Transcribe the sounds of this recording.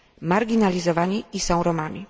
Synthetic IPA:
maɾɡʲinalʲizɔvaɲiisɔ̃w̃ɾɔmamʲḭ

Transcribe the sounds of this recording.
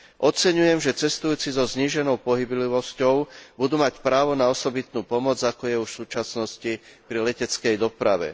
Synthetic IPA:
ʔɔt͡sɛɲujɛmʒɛt͡sɛst̪ujuːt͡sizɔzɲiːʒɛnɔʊpɔɦibliʋɔscɔʊbud̪uːmacpɾaːʋɔnaɔsɔbit̪nuːpɔmɔd͡zakɔjɛufʃsuːt͡ʃasnɔscipɾilɛcɛt͡skɛjd̪ɔpɾaʋɛ̰

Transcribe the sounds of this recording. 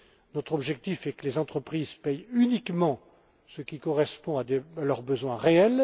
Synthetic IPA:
nɔt̪χɔbʒɛk̚t̪ifɛkəlezɑ̃t̪χəpχizpɛjynikmɑ̃ | səkʲikɔʁɛspɔ̃ad̪ealœʁbəzwɛ̃ʁeɛl

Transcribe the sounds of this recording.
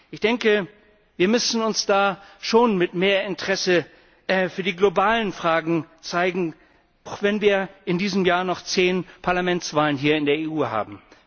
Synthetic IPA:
ʔɪçd̥ɛŋkə | viːɐmʏsn̩ʊnsd̥aːʃoːnmɪtmeːɐɪntʁ̥ɛsə | fyːɐdiːɡlobaːlənfʁ̥aːɡŋ̩t͡saɪɡŋ̩ | ʔaʊxv̥ɛnviːɐʔɪndiːzəmjaːnɔχt͡seːnpʰaɐlamɛnt͡sv̥aːlənɦiːɐɪndeːɐeʔuːɦa̰ːbm̩

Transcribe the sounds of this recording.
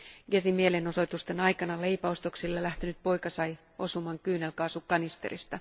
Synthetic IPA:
ɡesimieleno̞so̞jt̪ust̪enɑjkɑnɑle̞ipæost̪oksilːelæht̪enyt̪̚po̞ikɑsɑj | o̞sumɑŋkyːnelkɑːsukːɑnist̪ḛrḭst̪ɑ

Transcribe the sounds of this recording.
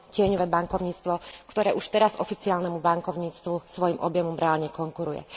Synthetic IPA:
cɪɛɲɔʋɛːbaŋkɔʊɲiːt͡st̪ʋɔkt̪ɔɾɛːʔuʃt̪ɛɾazɔfit͡siaːlnɛmubaŋkɔʊɲiːt͡st̪ʋusʋɔjimʔɔbjɛmɔmɾɛaːlɲɛkɔŋkuɾujɛ̰

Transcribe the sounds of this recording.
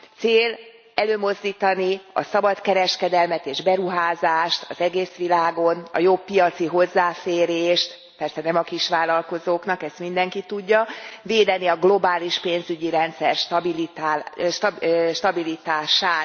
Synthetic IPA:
t̪seːl | ɛløːmo̞zd̪iːt̪ɒniɒ̰sɒbɒt̪kɛɾɛʃkɛd̪ɛlmɛt̪eːʒbɛɾuɦaːzaːʃt̪ɒzɛɡeːsʋilaːɡo̞nɒ̰jo̞bːijɒt̪siɦo̞zːaːfeːɾeːʃt̪ | pɛrsɛnɛmɒkiʃʋaːlɒlko̞zoːknɒkɛst̪mind̪ɛŋkit̪uɟːɒveːd̪ɛniɒɡlo̞baːliʃpeːnzyɟiɾɛnt̪sɛrʃt̪ɒbilit̪aʃʃt̪ɒbilit̪aːʃaːt̪

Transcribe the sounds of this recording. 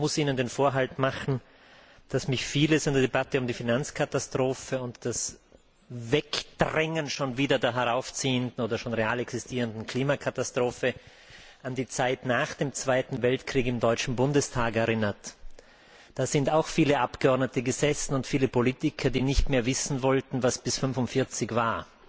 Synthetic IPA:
mʊsiːnəndeːnfoːɐɦaltmaχn̩ | d̥asmɪçfiːləsɪndeɐdebatəʊmdiːfinant͡skʰatastʁ̥oːfəʊntd̥as | vɛkd̥ʁɛŋənʃoːnviːdɐdeːɐɦɛʁaʊft͡siːəndn̩oːdɐʃoːnʁeaːlɛksɪstʰiːʁəndn̩kʰl̥iːmakʰatastʁ̥oːfə | ʔandiːt͡saɪtnaːχd̥eːmt͡sv̥aɪtn̩vɛltkʁ̥iːkɪmdɔʏt͡ʃn̩bʊndəstʰaːkɛɐʁɪnɐt | d̥aːz̥ɪntaʊxfiːləʔapɡ̥əɔɐdnətəɡəzɛsn̩ʊntfiːləpoliːtɪkʰɐdiːnɪçtmeːɐvɪsn̩vɔltn̩vasb̥ɪsfʏnfʊntfɪɐt͡sɪçv̥aːɐ

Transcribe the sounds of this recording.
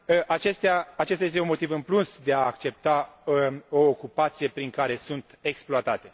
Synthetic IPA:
ʔat͡ʃe̞st̪eaːt͡ʃest̪ajest̪eunmo̞t̪ivɨmplunsd̪e̞aːkt͡ʃe̞p̚t̪a | o̞ːkupat̪sije̞pɾiŋkaɾe̞sunt̪e̞ksploat̪at̪e̞

